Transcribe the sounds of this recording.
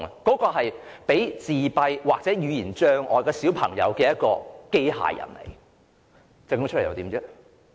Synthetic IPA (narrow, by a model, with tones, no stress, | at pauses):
kɔː˨˥kɔː˧ɦɐ˨jpe˨˥jt͡siː˨pɐ˧jwaː˨k̚t͡sɛː˨˥jyː˨˧jiː˨˩nt͡ʃœː˧ŋʔɔ̰ː˨˧kɔː˧siː˨˥wpʰɐ̰˨˩ŋjɐ̰˨˧wkɛː˧jɐ˥t̚kɔː˧ke˥jɦa̰ː˨˩jɐ̰˨˩nlḛ˨˩j | t͡sɐ˨˧kt͡ʃ̚ʰj̰ɐ̰˨˧t̪iː˨˧˥mt͡sɛ˥